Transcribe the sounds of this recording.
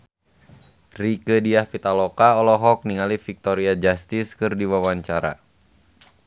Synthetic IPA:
rikədiahfit̪alɔkaɔlɔɦɔk̚niŋalifik̚t̪ɔɾiad͡ʒast̪iskɨrdiwawaɲt͡ʃaɾa̰

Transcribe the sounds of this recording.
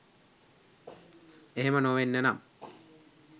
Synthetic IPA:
eɦemənoːʋenːenam

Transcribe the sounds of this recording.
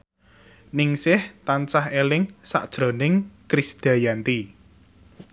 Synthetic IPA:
nɪŋsɪht̪ansahelɪŋsa̰ʔd̥ʒ̥ɾo̤nɪŋkɾisd̪̥a̤jant̪i

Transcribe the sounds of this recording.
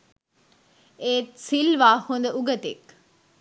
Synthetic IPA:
eːt̪silʋaːhund̪əuɡət̪ḛk

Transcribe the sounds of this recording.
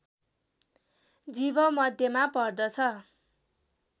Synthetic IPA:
d͡zibʌmʌd̪ʱjemapʌrd̪ʌt͡sʰʌ

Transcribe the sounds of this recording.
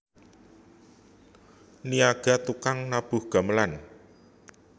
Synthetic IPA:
niaɡ̥a̤t̪ukaŋnab̥ʊ̤hɡ̥a̤məlan

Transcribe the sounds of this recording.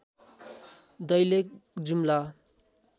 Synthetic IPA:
d̪ʌjlek̚d͡zumla

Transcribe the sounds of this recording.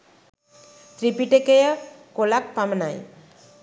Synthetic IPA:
t̪ɾipiʈekejakolak̚pamnaj

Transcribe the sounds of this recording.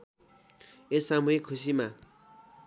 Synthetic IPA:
esamuɦekʰus̬ima

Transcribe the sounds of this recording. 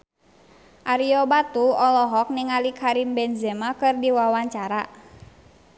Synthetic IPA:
ʔaɾiɔbat̪uɔlɔɦɔk̚niŋalikʰaɾimbɛnzɛmakɨrdiwawaɲt͡ʃaɾa

